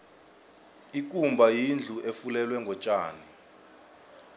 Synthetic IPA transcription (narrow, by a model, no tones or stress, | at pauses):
ik̬ʼumbʱajind͡ɮʱuʔefulɛlwɛŋɡʱɔt͡ʃʼa̰ːni